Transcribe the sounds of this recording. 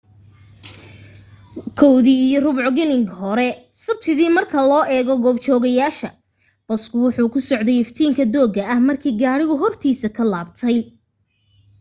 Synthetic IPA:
kʰɔwðiːijɔrʊβʊʕɡɛlɪŋɡhɔɾɛsɐb̚t̪ʰɪðiːmɐrkʰɐlɔːʔɛːɣɔɡɔːbt͡ʃɔːɣɐjaːʃɐ | b̥ɐskʰʊwʊħuːkʰʊsɔʕd̪ɛjɛft̪ʰiːŋkʰɐd̪ɔːɡɐʔɐhmɐrkʰiːɡaːɽɪɣʊɦɔrt̪ʰiːsɐkʰɐlaːbt̪ʰɛj

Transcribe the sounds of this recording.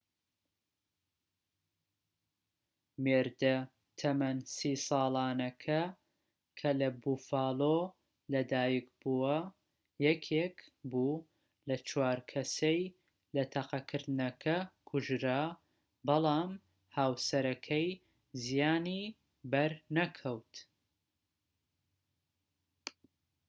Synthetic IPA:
meːɾd̪ɐ | t̪ʰɐmɐnsiːsɑːlˠɑːnɐkʰɐ | kʰɐlɐbuːfaɑːlo | lɐd̪aːjikbuwɐ | jɛkʰekbu | lɐt͡ʃʰwaːɾkʰɐsej | lɐt̪ʰɐqɐkʰɨɾd̪nɐkʰɐkʰʊʒɾa | bɨlˠɑːm | haːwsɐɾɐkʰɐj | zijaːni | bɐɾnɐkʰɐwt̪

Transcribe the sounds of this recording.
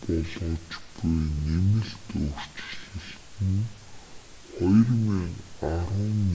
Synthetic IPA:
pɔɮʊːt͡ɕpʊjnemɘ̆ɮt̪ɵr̥t͡ɕɮɘ̆ɬt̪ɘ̆n | χɔjrmiŋaɾʊːnː

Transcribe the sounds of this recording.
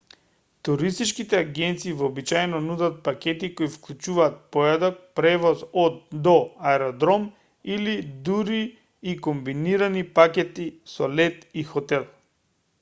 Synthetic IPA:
t̪uɾist̪it͡ʃkit̪ɛaɡɛnt̪siːvɔːbit͡ʃajɛnɔnud̪at̪̚pakʲɛt̪ikoifklˠut͡ʃuvaːt̪̚pɔjad̪ɔk̚pɾɛvɔzɔd̪ːɔaɛɾɔd̪ɾɔm | ilid̪uɾiː | kombiniɾanipakʲɛt̪isɔlɛt̪ixɔt̪ɛlˠ

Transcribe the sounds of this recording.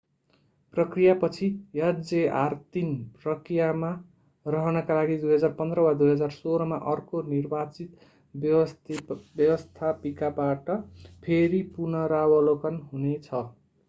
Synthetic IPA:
prʌkrijapʌt͡sʰijʌd͡zeart̪inrʌkrijama | rʌɦʌnʌkalaɡid̪ujɦʌd͡zarpʌnd̪rʌwad̪ujɦʌd͡zarsoɾʌmaʔʌrkonirbat͡sit̪ | bjʌwʌst̪ʰapikabaʈʌpʰeɾipunʌɾawʌlokʌnɦunet͡sʰʌ

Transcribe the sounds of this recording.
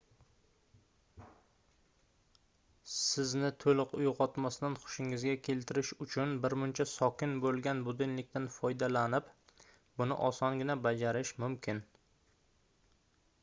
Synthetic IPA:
sɪznɪt̪ʰolɪqʊjqɒt̪masd̪anχʊ̥ʃɪŋɪzɡʲakʲʰe̞lt̪ʰɪɾɪʃʊt͡ʃʰʊnbɪɾmʊnt͡ʃʰasɒkʲɪnbolˠɡʲanbʊd̪ɪnlɪkʲt̪ʰanfɒjd̪alanɪp | bʊnɪ̰ʔɒsɒŋɡʲɪnabad͡ʒaɾɪʃmʊmkʲɪn

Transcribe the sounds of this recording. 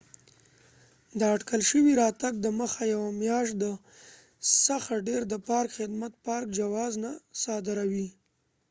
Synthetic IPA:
d̪əaʈkəlʃəwiɾɑt̪aɡ̚d̪əməxajawamjɑʃt̪̚d̪ə | saxaɖeɾd̪əpɑɾkxɪd̪mat̪̚pɑɾk̚d͡ʒawɑznasɑd̪ɪɾawi

